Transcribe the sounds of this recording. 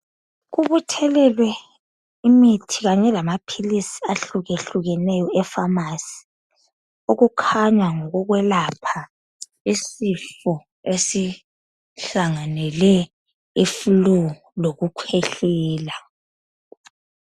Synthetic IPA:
ɣuβutʰɛlɛlwɛ | imitʰiɣaɲɛlamapʰilisi̥aɬuɣeɬuɣɛnɛjɔɛfamasi̥ | oɣukʰaɲwaŋɔɣuɣwɛlapʰa | isifɔ | esi | ɬaŋanɛlɛ | ifulu | loɣukʰeɬɛːla

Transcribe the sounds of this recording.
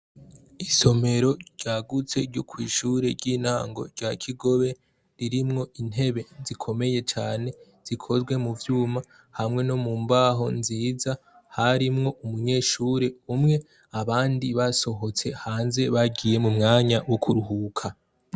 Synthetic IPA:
iso̞me̞ɾo̞ɟ̥aːɡut͡se̞ɾɟokʰwiːʃuːɾe̞ɾɟiːn̥ha̰ːŋɡo̞̰ɾɟakʰiɡo̞βe̞ | ɾiɾimŋo̞ʔin̥he̞βe̞zikʰo̞me̞je̞t͡ʃaːne̞ | z̥ikʰo̞zɡwe̞muvjuːma | hamŋe̞no̞muːmbaːɦo̞̰nziːza | haɾimŋo̞ʔumuɲe̞ːʃuːɾe̞umŋe̞ | aβaːndiβaso̞ɦo̞t͡se̞haːnze̞βaɟije̞mumŋaːɲawokʰuɾuɦukʰa

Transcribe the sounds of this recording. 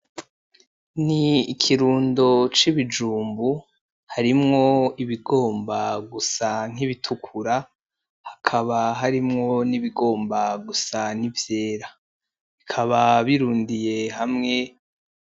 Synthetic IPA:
niːkʰiɾuːndo̞t͡ʃiβid͡ʒuːmbu | haɾimŋo̞iβiɡo̞ːmbaɡusaŋ̥iβitʰukʰuɾa | hakʰaβaɦaɾimŋo̞niβiɡo̞ːmbaɡusanivje̞ːɾa | ikʰaβaβiɾuːndije̞hamŋe̞

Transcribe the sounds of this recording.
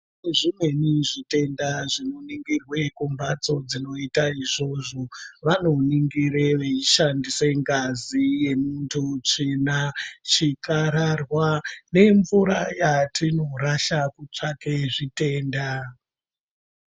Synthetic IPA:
eʐimwe̞niʐite̞ndaʐinoniŋɡirwe̞kumbat͡so̞d͡zino̞itaiʐo̞ʐo̞ʋano̞niŋɡiɾeʋeiʃandiseŋɡazije̞muntʰut͡ʂinat͡ʃikaɾarwane̞ɱvuɾajatino̞ɾaʃakut͡ʂake̞ʐite̞ːnda

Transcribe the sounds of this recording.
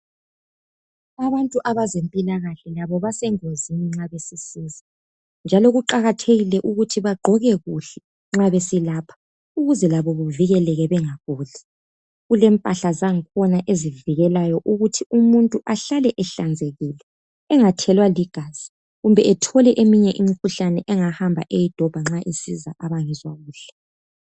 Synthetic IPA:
aβantʼuʔaβazempʼilaɣaɬɛlaβɔβasɛŋoziniŋ͡ǁaβesisiːzi | nd͡ʒʱalɔɣuǃaɣatʰeɣilɛʔuɣutʰiβaɡ͡ǃʱɔɣɛɣuɬɛ̥ | ŋ͡ǁaβesilaːpʰḁ | uɣuzɛlaβɔβuviɣɛlɛɣɛβɛŋaɣuːɮɛ | ɣulɛmpʼaɬazaŋikʰɔnaʔeziviɣɛlajɔʔuɣutʰiumuntʼuʔaɬalɛʔɛɬand͡zʱeɣilɛː | ŋatʰɛlwaliɡ̥ʱaːz̥i | ɣumbʱɛɛtʰɔlɛʔemiɲɛʔimikʰuɬanɛʔɛŋahambʱa̰ʔejid̥ʱɔb̥ʱaŋ͡ǁaʔisḭzaʔaβaŋizwaɣuːɬɛ̥

